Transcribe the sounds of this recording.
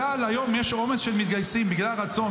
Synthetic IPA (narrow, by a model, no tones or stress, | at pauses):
alajo̞mjeʃo̞meʃelmit̪̚ɡajsimbiɡlalʁat͡so̞